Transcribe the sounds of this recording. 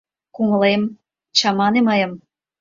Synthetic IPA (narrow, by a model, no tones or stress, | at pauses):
kuŋə̆lem | t͡ɕɑmɑneməjə̆m